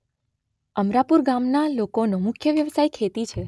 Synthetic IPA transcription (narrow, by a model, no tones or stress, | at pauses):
əmɾapuɾɡamnalokonomʊkʰjəʋjəʋsajkʰet̪it͡ʃʰe